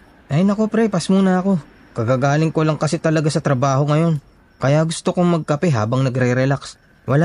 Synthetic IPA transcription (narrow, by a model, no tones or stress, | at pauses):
ʔɐjnɐko̞pɾɛpɐsmuːnɐɐko̞ | kɐɡaːɡaːlɪŋko̞lɐŋkɐsɛt̪ɐlɐɡasɐt̪ɾɐbaːho̞ŋɐjo̞n | kɐjaɡʊst̪okoŋmɐɡ̚kɐpɛɦa̰ːbɐŋnɐɡɾɛɾɛlaks | wɐla